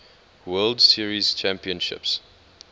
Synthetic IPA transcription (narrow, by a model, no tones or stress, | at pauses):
wɜldsiəɹiz̥t͡ʃʰæ̃mpiə̃nʃɪ̰ps